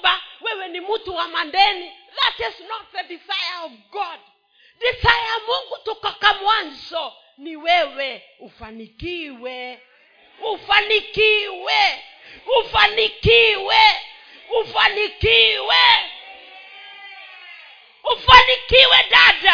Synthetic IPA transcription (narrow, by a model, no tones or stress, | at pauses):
bawɛwɛnimutuwamandɛni | ðatɪznɔt̚ðədizajəɔvɡɔd | dizajamuŋɡutukakamwanzɔ | niwɛwɛ | ufanikiwɛ | ufanikiwɛ | ufanikiwɛ | ufanikiwɛ | ufanikiwɛdada